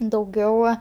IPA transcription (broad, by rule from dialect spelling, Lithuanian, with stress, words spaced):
dɐʊˈɡʲɛʊ